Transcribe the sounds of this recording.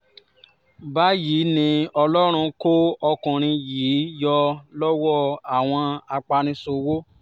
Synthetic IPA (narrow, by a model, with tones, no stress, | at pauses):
ba˨˦jiː˨˦nĩ˧ɔ˧lɔ˦ɾ̃ũ˧ko˦ɔ˧kũ˨ɾ̃ĩ˧jiː˨˦jɔ˧lɔ˦wɔ˦˨a˨w̃ɔ̃˧a˧k͡pa˧ɾ̃ĩ˧so˧wo˦